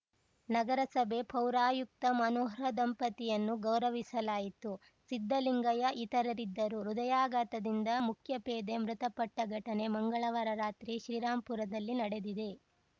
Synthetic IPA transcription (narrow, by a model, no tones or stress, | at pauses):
nɐɡɐɾɐsɐbe̞pʰɐwɾaːjuk̚t̪ɐmɐnoːɦɾɐd̪ɐmpɐt̪ijɐnːuɡɐwɾɐʋisɐlaːjit̪u | sid̪ʱːɐliŋɡɐjɐʔit̪ɐɾɐɾid̪ːɐɾuɾud̪ɐjaːɡɐt̪ɐd̪ind̪ɐmukʰjɐpeːd̪e̞mɾut̪ɐpɐʈːɐɡʱɐʈɐne̞mɐŋɡɐɭɐʋɐɾɐɾaːt̪ɾiʃɾiːɾaːmpuɾɐd̪ɐlːinɐɽe̞d̪id̪e̞